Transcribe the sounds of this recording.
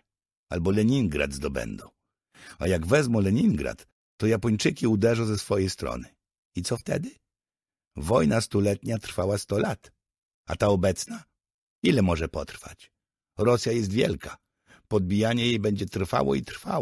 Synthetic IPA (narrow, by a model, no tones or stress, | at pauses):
a̰lbɔlɛɲiŋɡɾa̰d̪zd̪ɔbɛ̰nd̪ɔ̰̃ | ajaɡvɛzmɔlɛɲiŋɡɾa̰t̪ː | ɔjapɔɲt͡ʂɘkʲiud̪ɛʐɔ̃zɛsfɔjɛjst̪ɾɔ̰nɘ | it̪sɔft̪ɛ̰d̪ɘ | vɔjnast̪ulɛt̪ɲat̪ɾ̥fawast̪ɔlat̪ | at̪aɔbɛt̪sna | ilɛmɔʐɛpɔt̪ɾfa̰t͡ɕ | ɾɔsʲjajɛst̪vʲjɛ̰lkʰa | pɔd̪̚bʲijaɲɛjejbɛɲd͡ʑɛt̪ɾfa̰wɔ̰it̪ɾfa̰w